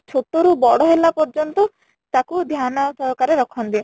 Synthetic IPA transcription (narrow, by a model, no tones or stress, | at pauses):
t͡ʃʰot̪oɾubɔɽɔɦelapɔɾd͡ʒɔnt̪ɔ | t̪akud̪ʱjanɔsɔɦɔkaɾeɾɔkʰɔnt̪i